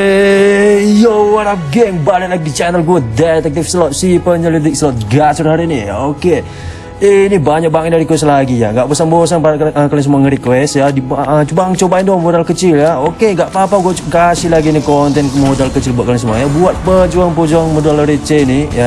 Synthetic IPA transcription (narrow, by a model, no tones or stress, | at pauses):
e | jowaɾap̚ɡɛŋbanalaɡ̚dit͡ʃanəlɡuəd̪ɛt̪ɛk̚t̪ifslɔt̪sipəɲəlid̪ɪk̚slɔt̪̚ɡat͡ʃɔrɦaɾinia̰oke | inibaɲak̚baŋɛndaɾikuɛslaɡija̰ŋɡaʔbosaŋbosaŋpakalɛŋsəmuaŋəɾikwɛst̪jadibat͡ʃubaŋt͡ʃobaindɔmodalkət͡ʃiljaokeŋɡaʔpapaɡuat͡ʃkasɪlaɡinikɔnt̪ɛnmodalkət͡ʃɪlbuat̪kaliŋsəmuajabuat̪̚pəd͡ʒuaŋpod͡ʒɔaŋmodalɾit͡ʃɛnija